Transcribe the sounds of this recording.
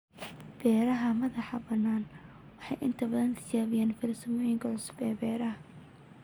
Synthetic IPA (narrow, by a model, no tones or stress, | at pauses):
b̥ɛːɾɐɦɐmɐðɑħɑbɐnːaːn | wɑħɑ̰jʔɪnt̪ʰɐbɐðɐnsɪt͡ʃaːβɪjaːnfɪlɐsʊmɔːjɪŋkʰɐʕʊsʊ̥bɛːbɛːɾɐɦ